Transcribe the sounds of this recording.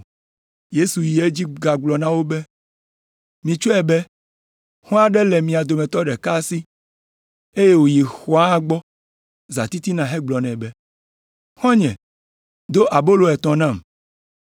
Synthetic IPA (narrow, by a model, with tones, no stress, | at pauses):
je˦su˨ji˨e˦d͡ʑi˦ɡa˨ɡ͡blɔ˨nã˦wo˦bɛ˦ | mĩ˨t͡ʃo˦ɛ˨bɛ˦ | hɔ̃˦a˨ɖɛ˦lɛ˨mĩ˨a˨d̪o˨mɛ̃˨t̪ɔ˦ɖɛ˨ka˦si˦ | e˦je˦wo˨ji˨xɔ˨a˦ɡ͡bɔ˦ | za̰˨t̪i˦t̪i˦nã˨ɦɛ˦ɡ͡blɔ˨nɛ̃˨bɛ˦ | xɔ̃˦ɲɛ̃˨ | d̪o˦ʔa˨bo˦lo˨ɛ˨t̪ɔ̃˨nã˦˨m